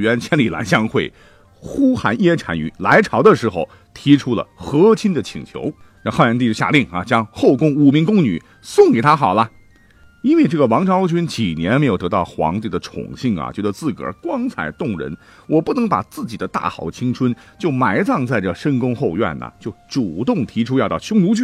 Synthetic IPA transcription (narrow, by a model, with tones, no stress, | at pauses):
ɥɛ˧˥nt͡ɕʰjɛ˥nli˨˩la̰˧˥ɪɕjɑ˥ŋxwe˥˩ɪ | xu˥xa˧˥njɛ˥ʈ͡ʂʰa̰˧˩ny̰˧˥la˧˥ɪʈ͡ʂʰɑ˧˥ʊd̪ə˧ʂɻ̩˧˥xo˥˧ʊ | t̪ʰi˧˥ʈ͡ʂʰu˥lə̰˨˩xɤ˧˥t͡ɕʰi˥nd̪ə˨t͡ɕʰḭ˨˩ŋt͡ɕʰjo̰˧˥ʊ˥˧ | xa˥˩jɛ˧˥nt̪i˥˧˥ɕja̰˥˧li˥˩ŋɐ̰˩t͡ɕjɑ˥ŋxo˥˩ʊkʊ˥ŋu˨˩mi˧˥ŋkʊ˥ŋny̰˨˩˦ | sʊ˥˩ŋke˨˩ɪt̪ʰa˥xɑ˨˩ʊlɐ˦ | i˥nwe˥˧ɪʈ͡ʂɤ˥˩ɡə˩wɑ˧˥ŋʈ͡ʂʰt͡ɕʰy˥nt͡ɕi˨˩njɛ˧˥nme˧˥jo˨˩t̪t̪ɑ˥˩ʊxwɑ̰˧˥ŋt̪i˥˩d̪ə˨ʈ͡ʂʰʊ̰˨˩ŋɕi˥˩ŋɐ̰˩t͡ɕjɛ˧˥d̪ə˧˥t͡sɹ̩˥˩kə̰˞˨˧˥kwɑ˥ŋt͡sʰa̰˨˩ɪt̪ʊ˥˩ŋɻə̰˧˥n | wɔ˨˩pu˥˩nɤ˧˥ŋpa̰˨˩t͡sɹ̩˥˩t͡ɕi˨˩d̪ə˦t̪a̰˥˩xɑ̰˨˧˩ʊt͡ɕʰi˥ŋʈ͡ʂʰwə˥nt͡ɕjo˥˩ʊma˧˥ɪt͡sɑ˥˧ŋt͡sa˥˩ɪʈ͡ʂə˩ʂə˥nkʊ˥ŋxo˥˧ʊɥɛ̰˥˩nə̰˩t͡ɕjo˥˩ʊʈ͡ʂu˨˩t̪ʊ˥˩ŋt̪ʰi˧˥ʈ͡ʂʰu˥jɑ˥˧ʊt̪ɑ˥˧˩ʊɕʰʊ˥ŋnu˧˥t͡ɕʰy˥˩